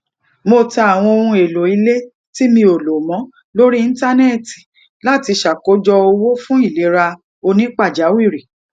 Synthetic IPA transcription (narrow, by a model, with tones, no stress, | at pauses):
mo˧ta˧a˨w̃ɔ̃˧o˧ɾũ˧e˨lo˨i˧le˦ | ti˦mĩ˧o˨lo˨mɔ̃˨˦ | lo˦ɾi˦˧n̩˦ta˦ne˦˨ti˨ | la˦˨ti˧ʃa˨ko˨˦d͡ʒɔ˧o˧wo˦fũ˦i˦˨le˨˦ɾa˧ | o˧nĩ˦k͡pa˦˨d͡ʒa˨˦wi˦˨ɾi˨